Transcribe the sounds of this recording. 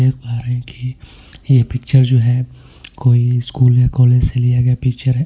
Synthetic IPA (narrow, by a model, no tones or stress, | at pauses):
eːk̚paɦɾeɦɛ̃ki | jepɪkt͡ʃəɾd͡ʒoːɦɛː | koːiɪskuːlnekɔːled͡ʒselijaɡɐjapɪk̚t͡ʃəɾɦɛ